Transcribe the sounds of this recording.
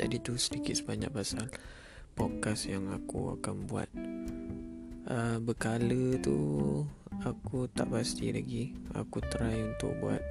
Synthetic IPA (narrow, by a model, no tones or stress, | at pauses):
d͡ʒa̰dit̪usədikɪt̪̚səbaɲa̰k̚pasal | pɔkasjaŋakṵa̰kanbua̰t̪̚ | əbəkalət̪ṵ | akut̪aʔpast̪ḭlaɡia̰kut̪əɾajunt̪ʊ̰k̚bua̰t̪̚